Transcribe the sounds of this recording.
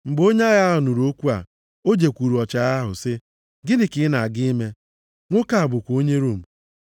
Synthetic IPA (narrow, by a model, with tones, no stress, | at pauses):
ŋ͡m̩˨ɡ͡bo˦ɲe˦a˦ɣa˦ɦʊ˨nu˨ɾo˦kʷu˦a˨ | o˦d͡ʒe˨kʷu˨ɾu˨ɔ˨t͡ʃa˨˦a˦ɦʊ̰˨sɪ˦ | ɡɪ˦nɪ˨kɪ˨˦na˨a˨ɡɪ˦i˦me˦ | ŋʷo˦ka˨a˨bʊ˨kʷo˦ɲe˦ɾu˦˨m̩˨